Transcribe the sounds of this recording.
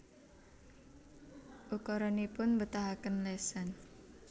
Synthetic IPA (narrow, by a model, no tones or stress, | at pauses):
ʔukɔɾɔnipʊnbət̪aɦakənlɛsan